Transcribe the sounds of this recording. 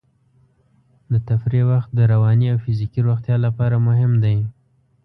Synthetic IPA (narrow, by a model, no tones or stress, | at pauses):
d̪ət̪afɾewaxt̪̚d̪əɾawɑniawfɪzikiɾoxt̪jɑlapɑɾamʊɦɪmd̪aj